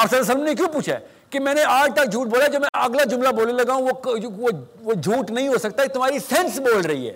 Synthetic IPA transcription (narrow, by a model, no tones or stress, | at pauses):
ɐsəd̪ɐs̬əlmnek̬jũːpuːt͡ʃʰa̰ | kimɛ̃ːneʔaːd͡ʒt̪ɐk̚d͡ʒʱuːʈ̚boːlad͡ʒɐbmɛ̃ʔɐɡlad͡ʒʊ̃mlaboːlelɐɡaːɦũooʋod͡ʒʱuːʈnɐɦĩɦosɐk̚t̪at̪ʊm̤aːɾisɛ̃nsboːlɾɐɦḭɦɛ̰ː